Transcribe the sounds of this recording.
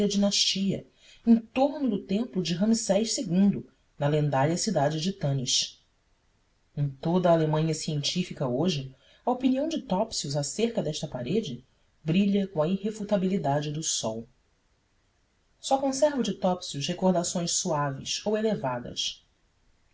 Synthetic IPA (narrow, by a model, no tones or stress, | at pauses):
ɐd͡ʒinaʃt͡ʃiɐ̰ | ẽj̃t̪oɾnʊd̪ʊt̪ẽmplʊd͡ʒɪɦɐ̃misɛjʃseɡũnd̪ʊ | nɐlẽnd̪aʎɐsid̪ad͡ʒɪd͡ʒɪt̪ɐ̃nɪʃ | ẽj̃t̪od̪ɐːlemɐ̃ɲɐsiẽnt͡ʃifikɐoʒɪ | ɐopiniɐ̃w̃d͡ʒɪt̪ɔpsiuzaseɾkɐd̪ɛʃt̪ɐpaɾed͡ʒɪ | bɾiʎɐkõɐihefut̪abilid̪ad͡ʒɪd̪ʊsɔw | sɔkõsɛɾvʊd͡ʒɪt̪ɔpsiʊʃhekoɾd̪asõj̃ssuavɪ̰sowelevad̪ɐ̰s